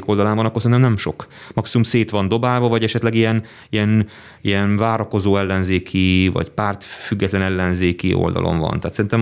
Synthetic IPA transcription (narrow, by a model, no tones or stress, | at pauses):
ko̞ld̪ɒlaːmvɒnɒkorsɛinɛmnɛmʃo̞kmɒksiumseːt̪ʋɒnd̪o̞baːlvɒvɒɟɛʃɛt̪lɛɡijɛn | ijɛn | ijɛnvaːɾɒko̞zoːɛlːɛnzeːkʰivɒ̰cpaːrt̪fyɡːɛt̪lɛnɛlːɛnzeːkiʔo̰ld̪ɒ̰lʔo̰ɱvɒ̰nt̪aɦːt̪sɛɾint̪ɛm